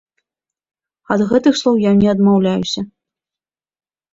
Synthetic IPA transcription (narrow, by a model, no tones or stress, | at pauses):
ɐd̪ɣɛt̪ɨxslˠɔwjanʲɛɐd̪mawlʲajusʲɐ